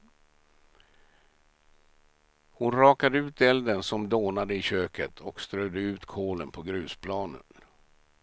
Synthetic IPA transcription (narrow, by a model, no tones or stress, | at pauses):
hʊnɾɑːkad̪əʉ̟ːt̪ɛld̪ənsɔmd̪oːnad̪əɪɕøːkət̪ʰɔkst̪ɾœd̪əʉ̟ːt̪kʰoːlənpʰɔɡɾʉ̟ːspʰlɑːnə̰n